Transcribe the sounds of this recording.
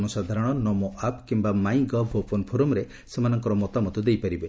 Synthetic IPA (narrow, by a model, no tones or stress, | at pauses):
nɔsad̪ʱaɾɔɽ̃ɔnɔmoʔapkimbamajɡɔbʱopɔnpʰoɾumɾe | semanɔŋkɔɾɔmɔt̪amɔt̪ud̪ejpaɾibe